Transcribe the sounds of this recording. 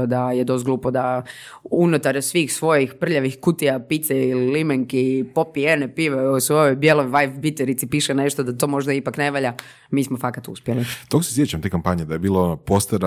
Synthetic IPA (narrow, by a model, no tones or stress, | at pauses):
d̪ajed̪o̞st̪̚ɡluːpod̪a | unut̪aɾsʋiːxsʋo̞jixpr̩ʎaʋixkut̪iapit̪seililimeŋkipopienepiʋeusʋo̞jojbjelojʋajfbit̪eɾit̪sipiːʃene̞ʃt̪od̪at̪o̞ːmo̞ʒd̪aipakne̞ʋaʎa | miːsmofakat̪ṵspjelit̪okoseset͡ɕamt̪eːkampaɲed̪ajebiːlˠopost̪eɾa